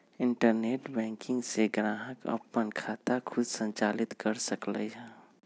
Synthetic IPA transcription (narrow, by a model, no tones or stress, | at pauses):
ɪ̃ɳʈəɾneːʈbɛ̃ːŋkɪ̃ŋɡseɡɾãːɦəkə̰pːənkʰaːt̪akʰʊd̪sə̃ɲt͡ʃaːlɪt̪kəɾsəklə̰ɛ